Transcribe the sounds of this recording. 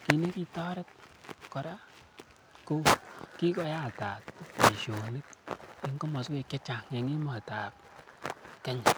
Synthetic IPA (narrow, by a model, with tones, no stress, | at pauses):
ki˧ne˦ki˦tɔ˦ɾe˦t̚kɔ˨ɾa˦ | ko˦ki˦kɔ˧˦ja˦˨ta˨tpe˨ʃo˨ni˦t̚i˨ŋ˦ko˦mɔ˨ske˦˧˨kje˦t͡ʃa˨kŋe˨ŋi˦ma˨ta˨p̚ | kɛ˦ɲ